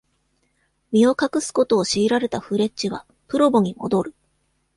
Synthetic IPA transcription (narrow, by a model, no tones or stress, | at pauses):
mʲio̞kakɯ̟sɨ̥ko̞t̪o̞ːɕiːɾaɾe̞t̪aɸɯ̟ɾe̞t͡ɕt͡ɕiβa | pɯ̟ɾo̞bo̞ɲ̟imo̞̰d̪o̞ɾɯ̟